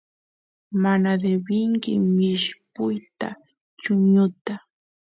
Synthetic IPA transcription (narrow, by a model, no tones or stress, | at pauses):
manad̪ebɪŋkɪ̰mɪʃpʊjt̪a̰ | t͡ʃʊɲʊt̪a